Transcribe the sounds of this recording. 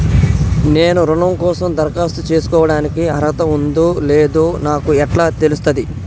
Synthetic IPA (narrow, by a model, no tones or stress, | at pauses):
ne̞ːnuɾuɳɐmkɔːsɐmd̪ɐɾkaːst̪ut͡ʃe̞ːsu̥kɔːʋɐɽaːnikiɐɾɐt̪ɐund̪uːleːd̪oːnaːkuɛʈlaːt̪e̞lust̪ɐd̪i